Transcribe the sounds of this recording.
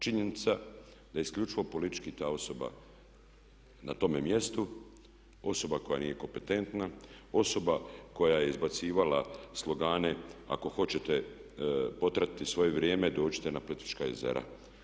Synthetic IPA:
t͡ʃiɲenit̪sa | d̪ajeiskʎʲut͡ʃiʋo̞po̞lit̪i̥t͡ʃkit̪aːo̞so̞ba̰ | nat̪o̞memje̞st̪u | o̞so̞bako̞ja̰niːje̞ko̞mpe̞t̪e̞nt̪nao̞so̞bako̞jaje̞izbat̪siːʋalaslˠo̞ɡaːnea̰ko̞xo̞t͡ɕe̞t̪e | po̞t̪ɾat̪it̪isʋo̞jeʋɾjeːme̞d̪o̞ːt͡ɕi̥t̪e̞napolit̪i̥t͡ʃkaezḛɾa̰

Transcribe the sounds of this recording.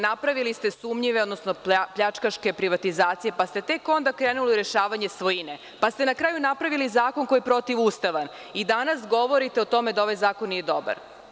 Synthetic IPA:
napɾaʋilist̪e̞sumʎiʋeod̪nosnopʎat͡ʂkaʃke̞pɾiʋat̪izaːt̪sijepast̪e̞t̪e̞ko̞nd̪akɾeːnuliiɾe̞ʃaːʋaɲe̞sʋojine | past̪enakɾaːjunapɾaʋilizaːko̞nko̞jipɾo̞t̪iʋust̪aʋan | id̪anasɡo̞ʋo̞ɾit̪e̞ot̪o̞med̪ao̞ʋajzaːkonːije̞d̪o̞ba̰ɾ

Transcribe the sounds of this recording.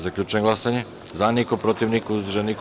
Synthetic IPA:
zaklʎʲuːt͡ʃeeŋɡlasaɲe | zanikopɾot̪iʋnikuzd̪rʒanik

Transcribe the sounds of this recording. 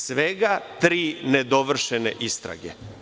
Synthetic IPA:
sʋeɡat̪ɾiːned̪o̞ʋr̩ʃenḛʔist̪ɾa̰ɡḛ

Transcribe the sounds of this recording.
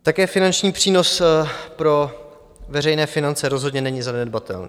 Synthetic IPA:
t̪akɛːfɪnant͡ʃɲiːpr̥iːno̞spɾo̞ | vɛrɛjnɛːfɪnant͡sɛɾozɦodɲɛnɛɲɪzanɛdbat̪ɛ̰lnḭ

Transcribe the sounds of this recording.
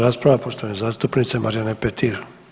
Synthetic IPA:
ɾaspɾavapoʃt̪anɛzast̪upnit̪sɛmaɾjanɛpɛt̪ʰiɾ

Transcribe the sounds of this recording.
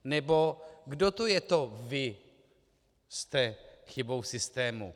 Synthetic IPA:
nɛbo̞ɡdot̪ojɛt̪o̞vɪ | st̪ɛxɪbo̞wsɪst̪ɛːmṵ

